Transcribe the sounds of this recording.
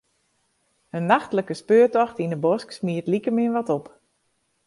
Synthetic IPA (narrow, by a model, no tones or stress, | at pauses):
hənːaxtləkəspøːtɔxtindəbɔsksmiətlikəmɪənʋɔtɔp